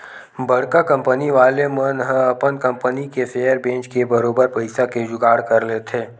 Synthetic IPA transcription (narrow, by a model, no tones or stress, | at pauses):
bɐɽ̤kakɐ̃mpəniʋaːlemənɦə̃ɐpənkə̃mpənikeseːjəɾbẽːnt͡ʃkebɐɾoːbəɾpɐɪsaked͡ʒʊɡaːɽkɐɾleːt̪ʰeː